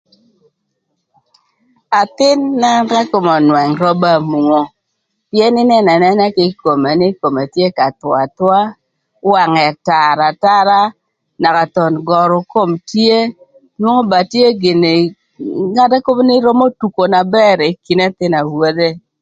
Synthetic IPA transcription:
a˨t̪ɪ˦nːa˦ɾa˦ko˨mɔ˨nwɛ˨ŋɾɔ˦ba˦˨mu˨ŋo˦ | pjɛ˦nɪ˦nɛ˦na˨nɛ˦nɛ˦kɪ˨ko˨me˨nɪ˦ko˨me˨tje˦ka˨t̪wa˨t̪wa˦ | wa˨ŋɛ˨ta˨ɾa˨ta˦ɾa˦ | na˨ka˨t̪ɔ˨nɡɔ˨ɾʊ˨ko˦mtje˦ | nwo˦ŋo˦ba˨tje˦ɡɪ˨ne˨ | ŋa˦da˦ko˦m˦nɪ˦ɾɔ˦mo˦tu˨ko˨na˨bɛ˦ɾi˨ki˨na˦t̪ɪ˦na˨wwo˦de˦

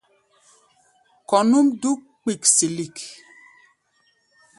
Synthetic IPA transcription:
kɔ˨nu˦mdu˦k̚ | k͡pi˨ksi˨li˨k

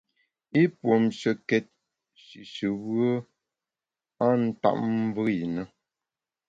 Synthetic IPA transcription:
i˦pwo˨mʃə˨kɛ˨t̚ | ʃi˨ʃə˨wə˦ | a˦n̩˦ta̰˦ʔ̚m̩˦və˦i˨nə˦

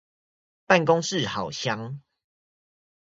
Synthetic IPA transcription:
pa˥˨nkɔ˦ŋʂɻ̩˥˨hɑ˨˩ʊɕja˦ŋ

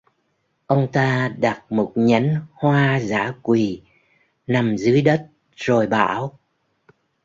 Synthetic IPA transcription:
ʔə˧wŋ͡mt̪aː˧ɗa˨˩t̚mo˨˩t̚ɲa˨˦jnhwaː˧za̰ː˧˥kwi˨˩ | na˨˩mzɨ˨˦əjɗə˦˥t̚ | z̥o˨˩jɓa̰ː˧˩˨w

